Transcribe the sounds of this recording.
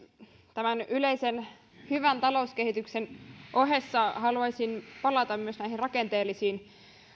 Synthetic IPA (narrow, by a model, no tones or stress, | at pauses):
t̪æmænyleisen | hyʋænt̪ɑlouskehit̪yksenʔoɦesːɑhɑluɑjsinpɑlɑt̪ɑmmyøsnæihinrɑkent̪eːlːisiːn